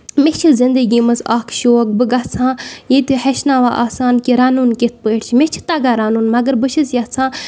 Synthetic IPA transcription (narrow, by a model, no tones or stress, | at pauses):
met͡ʃʰɨzɪnd̪əɡʲimɐzaːkʰʃoːk̚bɨɡat͡sʰãːjet̪iheʃnaːʋaːʔaːsaːnkiɾaːnuːnket̪̚ʰpəːʈʰt͡ʃʰmet͡ʃʰi̥t̪aːɡaːɾaːnuːnmɐɡəɾbəʃʰəsjat͡sʰãː